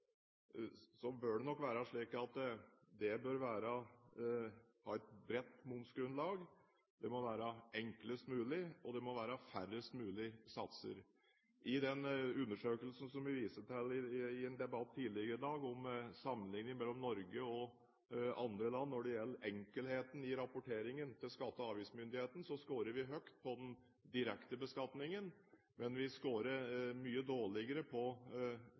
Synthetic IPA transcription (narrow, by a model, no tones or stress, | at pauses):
sɔbœɖɛnɔkːʋæːɾɑʂɭiːkɑt̪d̪ɛbøɾʋæːɾɑ | hɑːɛt̪̚bɾɛt̪ːmʊnt̪sɡɾʉnlɑːɡ | d̪ɛmɔʋæːɾɑɛŋkləst̪mʉːlɪɔd̪ɛmɔʋæːɾɑfæɾəst̪mʉːlɪsɑt̪sə̰ɾ | ʔɪd̪ɛnʉnːəʂøːkəlsn̩sɔmʋɪʋiːsət̪ʰɛlɪɪɛnd̪ɛbɑt̪ʰːiːlɪɡəɾəd̪ɑːɡɔmsɑmːənlɪŋnjəmɛlːɔmnɔɾɡəɔ | ɑnd̪ɾəlɑnːɔɖɛjɛlːəɾɛŋkəlheːt̪ən̩ɪɾɑpʊʈʰeːɾɪŋənt̪ʰɪlskɑt̪ːəɑːʋiːsmʏnd̪ɪheːt̪n̩sɔskoːɾəɾʋɪɦœkt̪̚pʰɔd̪ɛn | d̪ɪɾɛkt̪əbəskɑt̪nɪŋən | mɛnʋɪskoːɾəɾmyːəd̪oːɭɪɡəɾəpʰɔ